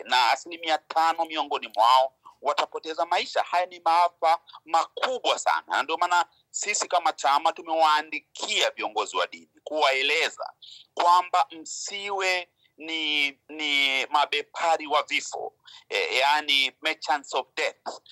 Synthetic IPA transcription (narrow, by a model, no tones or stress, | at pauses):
naːsilimiatʰanɔmiɔŋɡɔnimwaɔwatapɔtɛzamaiʃa̰hajanimaafamakuɓwasa̰na̰nandiɔmaːna | sisikamat͡ʃamatumɛwaːndikʰiaviɔŋɡɔziwa̰ɗḭnikuwaɛlɛza̰kwambam̩siwɛ | ninimaɓɛpʰaɾiwavifɔ̰janimɛt͡ʃansɔvdɛθ